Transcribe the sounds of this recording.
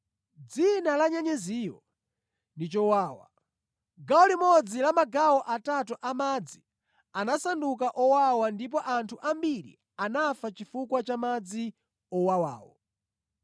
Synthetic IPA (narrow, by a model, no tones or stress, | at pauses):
d͡zinalaɲɛɲɛziːjɔ | ndit͡ʃɔwaːwa̰ | ɡaɔlimɔd͡zilamaɡawɔʔatatuʔamaːd͡zi | anasandukaʔɔwawandip̬ɔʔantʰuʔambiɾḭ | anafat͡ʃifukwat͡ʃamad͡zi | ɔwawa̰ːwɔ̰